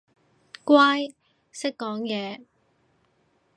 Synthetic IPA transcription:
kwaː˥j | sɪ˥kːɔː˨˥ŋjɛː˨˧

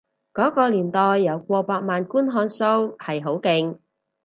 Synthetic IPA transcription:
kɔː˨˥kɔː˧liː˨˩nt̪ɔː˨jːɐ˨˧wkʷɔː˧paː˧k̚maː˨nkuː˥nɦɔː˨˧˥nso˥whɐ˨jɦo˨˥wkɪ˨˧ŋ

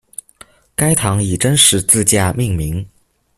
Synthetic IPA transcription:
ka˥ɪt̪ʰɑ˧˥ŋi˨˩ʈ͡ʂə˥nʂɻ̩˧˥t͡sɹ̩˥˧t͡ɕja˥˧mi˥˩ŋmi˧˥ŋ

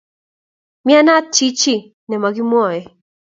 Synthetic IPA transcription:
mia˦na˦t͡ʃi˦t͡ʃi˦ | nɛ˨ma˨ɡi˦mwɔ˦˨jɛ˨

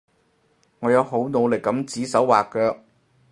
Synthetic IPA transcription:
ŋɔː˨˧jɐ˨˧wɦo˨˥wno˨˧wlɪ˨˩kːɐ˨˥mt͡siː˨˥sɐ˨˥wwaː˨kːœː˧k̚

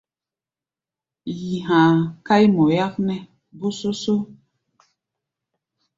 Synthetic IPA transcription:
ji˨ɦãː˨ka˦jmɔ˨ja˦knɛ˦ | bo˦so˦so˦

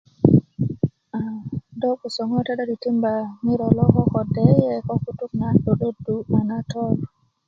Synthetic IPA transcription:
a˨dɔ˦ku˨sɔ˨ŋɔ˦ta˦ɗa˦di˨ti˦mba˨mi˦ɾɔ˨lɔ˦kɔ˦kɔ˨de˦jɛ˦kɔ˦ku˦tu˦k̚na˦ɗo˨ɗo˦dːu˨ma˨na˦tɔ˦l

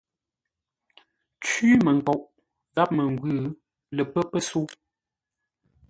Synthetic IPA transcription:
t͡ʃiː˦mə˨ŋ˨kɔ˨ʔ | ɣa˦p̚mə˨ŋ˨ɡɥʉː˦ | lə˨pə˦pə˦su˦

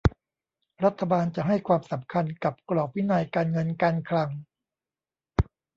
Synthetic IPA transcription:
ɾa˦˥t̪ʰːa˧baː˧nt͡ɕa˨˩ɦa˥˩jkʰwaː˧msa˩˦mkʰa˧nka˨˩p̚klɔː˨˩k̚wi˦˥naː˧jkaː˧nŋɤ˧nkaː˧nkʰla˧ŋ

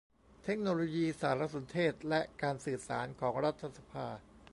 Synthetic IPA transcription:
t̪ʰe˦˥k̚noː˧loː˧jiː˧saː˩˦ɾa˦˥so˩˦nt̪ʰeː˥˩t̪̚lɛ˦˥ʔkaː˧nsɯː˨˩sa̰ː˩˦nkʰɔː˩˦ŋɾa˦˥t̪ʰːa˧sa˧pʰaː˧

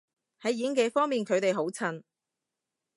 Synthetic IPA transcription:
hɐ˨˥jjiː˨˥ŋke˨˥fɔː˥ŋmiː˨˩nkʰɵ˨˧ɥt̪e˨jɦo˨˥wt͡sʰɐ˧n

